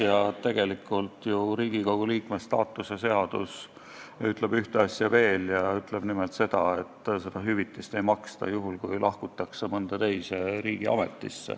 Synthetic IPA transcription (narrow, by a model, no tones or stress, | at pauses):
jɑt̪e̞ɡ̥e̞likːˑult̪juɾiːɡ̥ikoɡ̥uliːkmest̪ɑːt̪ːˑusese̞ɑd̪̥us | yt̪ˑleb̥yht̪eɑsʲjɑve̞ːljɑyt̪ːˑleb̥nimelt̪se̞d̪̥ɑe̞t̪ːˑse̞d̪̥ɑɦyvit̪ːˑist̪e̞jmɑkst̪ɑ̰juɦulkujlʔɑhkut̪ːˑɑkse̞mɤnd̪̥ɑt̪e̞jse̞ɾiːɡ̥iɑ̰me̞̰t̪ːˑḭsːḛ